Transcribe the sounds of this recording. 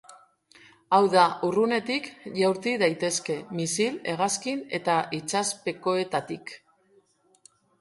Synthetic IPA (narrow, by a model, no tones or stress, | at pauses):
awðaʔurune̞t̪ikʝawɾt̪iðajt̪e̞ske̞misile̞ɣ̞askine̞t̪aʔit͡ʃaspe̞ko̞e̞t̪at̪ik